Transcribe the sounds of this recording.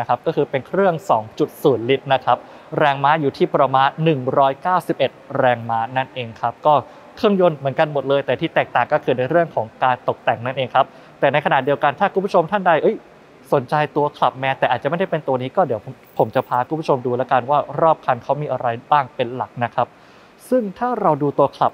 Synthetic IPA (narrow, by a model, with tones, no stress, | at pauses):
kʰa˦˥p̚kɔː˥˩kʰɯː˧pe˧nkʰɾɯ˥˩əŋsɔː˩˦ŋt͡ɕu˨˩t̪̚suː˩˦nli˦˥t̪̚na˦˥kʰa˦˥p̚ | ɾɛː˧ŋmaː˦˥juː˨˩t̪ʰiː˥˩pɾa˧maː˦˧nːɯ˨˩ŋɾɔː˦˥jkaː˥˩wsi˨˩p̚ʔe˨˩t̪̚ɾɛː˧ŋmaː˦˥na˥˩nʔeː˧ŋkʰa˦˥p̚kɔː˥˩ | kʰɾɯ˥˩əŋjo˧˥˩nmɯ˩˦ənka˧nmo˨˩t̪̚lɤː˧jt̪ɛː˨˩t̪ʰiː˥˩t̪ɛː˨˩k̚t̪aː˨˩ŋkɔː˥˩kʰɯː˧na˧jɾɯ˥˩əŋkʰɔː˩˦ŋkaː˧nt̪o˨˩k̚t̪ɛ˨˩ŋna˥˩nʔeː˧ŋkʰa˦˥p̚ | t̪ɛː˨˩na˧jkʰa˧na˨˩t̪̚di˧əwka˧nt̪ʰaː˥˩kʰu˧mpʰt͡ɕʰo˧mt̪ʰa˥˩nda˧˩jʔɤ˦˥j | so˩˦nt͡ɕa˧jt̪u˧ɐkʰla˨˩p̚mɛː˦˥t̪ɛː˨˩ʔaː˨˩t͡ɕa˨ma˥˩jda˥˩pe˧nt̪u˧ɐniː˦˥kɔː˥˩di˩˦əw | pʰo˩˦mt͡ɕa˨˩pʰaː˧kʰu˧˦pʰt͡ɕʰo˧mduː˧lɛː˦˥wka˧nwaː˥˩ɾɔː˥˩p̚kʰa˧nkʰa˦˥wmiː˧ʔa˧ɾa˧jbaː˥˩ŋpe˧nla˨˩k̚na˦˥kʰa˦˥p̚ | sɯ˥˩ŋt̪ʰaː˥˩ɾa˧wduː˧t̪u˧ɐkʰla̰˨˩p̚